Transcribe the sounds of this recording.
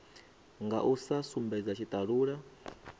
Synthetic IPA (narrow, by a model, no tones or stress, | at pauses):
ŋɡa̰ʔusasumbɛd͡zat͡ʃʰit̪ʼaɺuːɺa